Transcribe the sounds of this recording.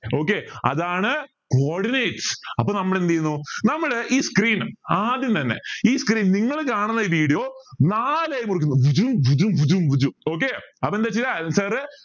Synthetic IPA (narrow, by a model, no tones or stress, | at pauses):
o̞ːk̬ːeɐ̰ðaːɳɨ | kooːrɖinejʈsɐpːoːnɐmːɐɽend̪ɐjunːunɐmːɐɭʔiːskriːnɨmaːðjunt̪ɐnːḛiːskriːnniŋːɐɭkaːɳunːɐiːʋiːɽijoːnaːleːjumurik̬ʲːunːuʋud͡ʑumʋud͡ʑumʋud͡ʑumʋud͡ʑuoːk̬ːeɐpːoend̪et͡ɕːiɾamsɐɾ